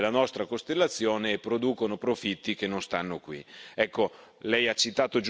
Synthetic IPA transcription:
lːanɔst̪ɾakost̪elːat̪sːjoːneːpːɾod̪uːkonopɾofit̪ːik̟enːonst̪anːokwḭɛkːo | lɛjat͡ʃːit̪aːt̪od͡ʒ

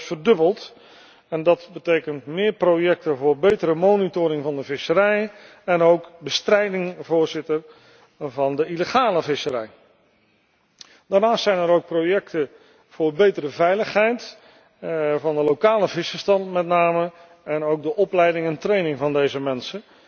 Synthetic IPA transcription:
fəɹdɵbəlˠt | ɛndɑtbətejkəntmɪːɹprowjɛk̚təvʊːɹbejtəɾəmownitʊːɾɪŋvɑndəvɪsəɾɛj | ɛnowkbəstrɛjdɪŋvʊːɹzɪtər | vɑndəiləχaːləvɪsəɾɛj | d̥aːɹnaːstsɛjnəɾowk̚prowjɛktə | v̥ʊːɹbejtəɾəvɛjləχɦɛjt | vɑndəlowkaːləvɪsfəɹstɑntmɛtnaːmə | ɛnowk̚dəʔɔplɛjdɪŋɛntrejnɪŋvɑndejzəmɛnsə

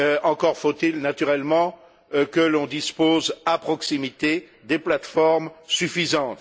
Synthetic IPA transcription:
øɑ̃kɔʁfot̪ilnat̪yʁɛlmɑ̃ | kəlɔ̃d̪ispozapχɔksimit̪e | d̪eplat̪fɔʁmsyfizɑ̃t̪

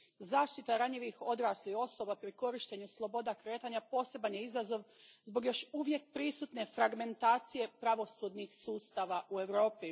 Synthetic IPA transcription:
zaːʃt̪it̪aɾaɲiʋixo̞d̪ɾaːslio̞so̞bapɾiko̞ɾiʃt̪e̞ɲuslˠo̞bo̞d̪akɾe̞ːt̪aɲapo̞ːse̞banjeizazo̞ʋzbo̞ɡjo̞ʃuʋje̞k̚pɾisut̪ne̞fɾaɡme̞nt̪aːt̪sije̞pɾaʋo̞sud̪nixsuːst̪aːʋaʔue̞ʋɾo̞ːpi

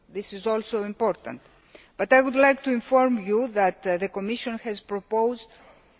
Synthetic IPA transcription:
ðisizolsoĩmpo̞ɾt̪ɐ̰̃nt̪ | b̥ɐt̪ajɣud̪lajk̚t̪uiɱfo̞ɾmjuðɐt̪ðeko̞miʃonxɛzpɾopowzd̪

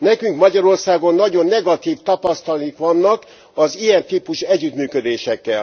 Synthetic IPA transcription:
nɛkyŋkmɒɟɒɾo̞rsaːɡo̞nːɒɟo̞nːɛɡɒt̪iːft̪ɒpɒst̪ɒlikʋɒnːɒk | ɒzijɛnt̪iːpuʃɛɟːyt̪myːkød̪eːʃɛkːɛl

